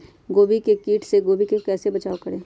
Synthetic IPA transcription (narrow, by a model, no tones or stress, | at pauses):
ɡoːbikekiːʈʰseɡoːbikekɛːsebɐt͡ʃaːokəɾẽː